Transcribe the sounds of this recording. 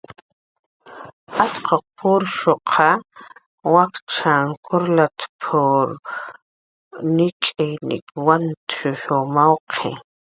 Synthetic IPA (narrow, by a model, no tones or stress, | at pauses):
at̪qoq̚pʰʊɾʃoqʰɑ | wakt͡ʃʰaŋkʰʊɾlat̪pʰʊɾ | nɪt͡ʃʼejnɪ̰kwant̪ʃʊʃomawqʰḛ